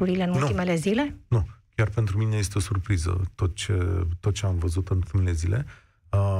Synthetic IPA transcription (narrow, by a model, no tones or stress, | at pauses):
uɾile̞ɨnulnut̪ime̞le̞zile̞nukʲarpent̪ɾumine̞je̞st̪eo̞surpɾizə̰t̪o̞t̪̚t͡ʃet̪o̞t̪̚t͡ʃe̞amvəzut̪ɨnult̪imele̞zilʔe̞̰ | ə